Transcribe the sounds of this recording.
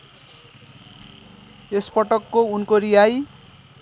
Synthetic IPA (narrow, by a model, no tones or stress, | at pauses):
espʌʈʌkːounkoɾijaj